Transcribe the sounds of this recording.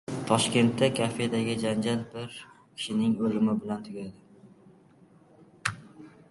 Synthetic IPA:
t̪ʰɒʃkʲe̞nt̪ʰːakʰafed̪aɡʲɪd͡ʒand͡ʒal̚bɪɾ | kʲʰɪ̥ʃɪnɪŋolɪmɪbɪlant̪ʰʊɡʲad̪ɪ

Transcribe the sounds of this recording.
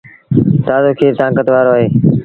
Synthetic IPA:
t̪aːzoːkʰeːt̪ãːŋkət̪ʋaːɾoːaːɦeː

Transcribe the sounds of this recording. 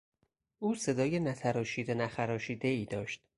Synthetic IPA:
ʔuːse̞d̪ɒːjenæt̪ʰæɾɒːʃiːd̪enæxæɾɒːʃiːd̪e̞iːd̪ɒːʃt̪

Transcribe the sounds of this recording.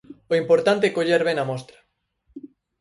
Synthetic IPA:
oimpoɾt̪ant̪̬ekoʎeɾβenamɔst̪ɾḁ

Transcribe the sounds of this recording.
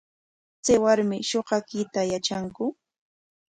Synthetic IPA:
t͡sawaɾmɪʃoɢɑkɪt̪ajat͡ʃaŋkʊ

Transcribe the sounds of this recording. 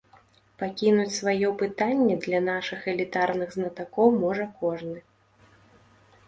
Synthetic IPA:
pakʲinut͡sʲsvajɔpɨt̪anʲːɛd̪lʲɐnaʂɨxɛlʲit̪arnɨɣznɐt̪akɔwmɔʐɐkɔʐnɨ

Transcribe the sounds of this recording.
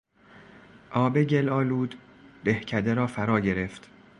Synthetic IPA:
ʔɒːbeɟelɒːluːd̪ː | ehcʰæd̪eɾɒːfæɾɒːɟe̞ɾeft̪

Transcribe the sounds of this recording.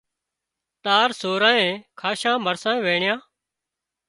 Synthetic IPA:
t̪aːɾsoːɾãːẽːkʰaːʃãːməɾsãːẽːʋeːɳɪjãː

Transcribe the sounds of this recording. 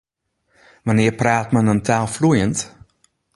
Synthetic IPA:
ʋanɪːrpraːtmənəntʰaːlˠflujənt

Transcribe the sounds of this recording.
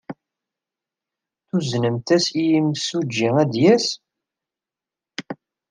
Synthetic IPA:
θuznəmt̪æsijimsud͡ʒːiŋæd̪jæs

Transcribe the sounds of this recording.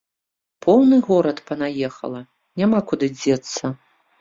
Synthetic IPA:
pʰɔwnɨɣɔɾɐt̪pɐnajɛxɐ̰lˠɐ | nʲamakud̪ɨd͡zʲɛt̪sːɐ

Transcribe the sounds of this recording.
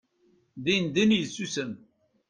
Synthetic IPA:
ðind̪injsːusəm

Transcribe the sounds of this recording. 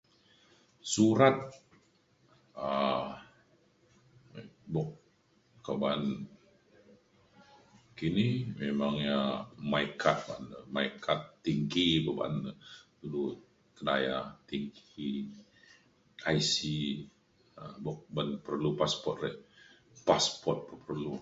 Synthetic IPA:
suɾat̪̚ | a | bɔk̚ | kaban | kinimemaŋɲamaikʰat̪̚ba̰nəmaikʰat̪ːiŋɡibəba̰nədulu | k̪ədajat̪iŋɡi | ajsi | əbɔk̚banpərlupaspɔt̪̚rɛh | paspɔt̪̚pəpərlu

